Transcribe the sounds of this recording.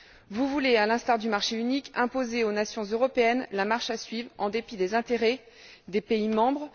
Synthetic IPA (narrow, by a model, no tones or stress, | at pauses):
vuvulealɛ̃st̪aʁd̪ymaʁʃeynikɛ̃pozeonasjɔ̃zøʁɔpeɛnlamaʁʃasɥivʁɑ̃d̪epid̪ezɛ̃t̪eʁɛ | d̪epeimɑ̃bʁ